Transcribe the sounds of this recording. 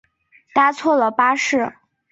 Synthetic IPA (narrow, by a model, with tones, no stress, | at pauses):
t̪a˥t͡sʰwɔ˥˩lə˩pa˥ʂɻ̩˥˩